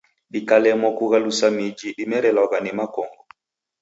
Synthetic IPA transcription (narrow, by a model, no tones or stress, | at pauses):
ɗikalɛmɔkuɣalusamid͡ʒiɗimɛɾɛlaɣanɛmakɔŋɡɔ